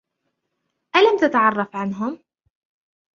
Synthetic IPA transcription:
ʔalamt̪at̪aʕɑrˤːɑfʕanɦʊm

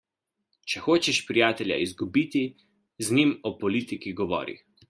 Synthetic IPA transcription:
t͡ʃɛxoːt͡ʃɛʃpɾijaːt̪ɛlja̰izɡubiːt̪i | znimɔpɔliːt̪ikiɡɔʋɔ̰ːɾḭx

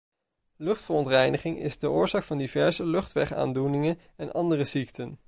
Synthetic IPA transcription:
lɵχtfərɔntrɛjnəχɪŋɪ̰zdəʔʊːɹzaːkfɑndivɛɹzəlɵχtʋɛχa̰ːndunɪŋən | ɛnʔɑndərəziktən

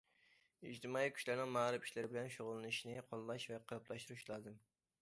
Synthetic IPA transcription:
id͡ʒt̪ʰɨmɑːikʲʰy̥ʃlɪɾnɪŋmɑɾɨpi̥ʃlɪɾɪbɪlɛnʃoʁʊlˠːɨnɨʃinɪqʰɑlˠːɑʃvɛqʰəɾpʰlˠɑʃt̪uɾuʃlˠɑd̪ɨm

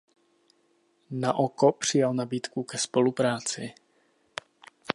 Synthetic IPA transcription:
naʔokopr̝̥ɪjalnabiːt̪kukɛspo̞lupɾaːt͡sɪ

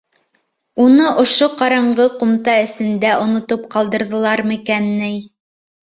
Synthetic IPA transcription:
unɤʔŏʃoqɑɾɑɴɢɤqŏmt̪ɑɘ̆sɘ̆nd̪æʔŏnŏt̪op̚qɑlˠd̪ɤ̆ɾðɤ̆lˠɑɾmɘ̆kænːɘj

